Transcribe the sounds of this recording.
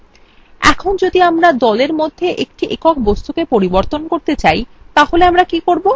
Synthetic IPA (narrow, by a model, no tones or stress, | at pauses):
ɛ̰kʰond͡ʑod̪iamɾad̪ɔleɾmod̪ʱːeʔek̚ʈiʔekɔk̚ʰbost̪ukepoɾiboɾt̪onkoɾt̪et͡ɕaj | t̪aholeamɾakikoɾbo